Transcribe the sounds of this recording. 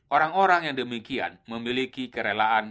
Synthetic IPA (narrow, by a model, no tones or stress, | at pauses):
ʔoɾaŋoɾaŋjaŋdəmikia̰nməmilikikəɾelaʔan